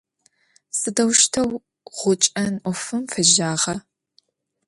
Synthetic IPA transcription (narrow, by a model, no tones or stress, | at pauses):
sɨdɐwʃtʰɐw | ʁʷʊt͡ʃʼɐnʔʷɔfɨmfɨʒaːʁɐ